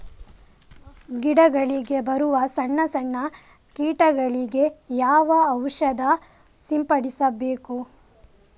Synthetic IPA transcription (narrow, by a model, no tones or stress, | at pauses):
ɡiɽɐɡɐɭiɡe̞bɐɾuʋɐsɐɳːɐsɐɳːɐ | kiːʈɐɡɐɭiɡe̞jaːʋɐːwʂɐd̪ɐ | simpɐɽisɐbe̞ːku